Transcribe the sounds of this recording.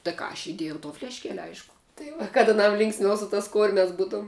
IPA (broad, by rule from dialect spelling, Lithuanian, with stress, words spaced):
tɐɪ ˈkɑː ɐʃ ɪˈdʲeːjɛʊ toː fʲlʲɛʃʲˈkʲæːlʲɪ ˈɐɪʃkʊ tɐɪ ˈʋɐ kɐt ɐˈnɐm ˈlʲɪŋksʲmʲɛʊ sʊ tɐs ˈkʊrʲmʲɛs ˈbuːtuɔm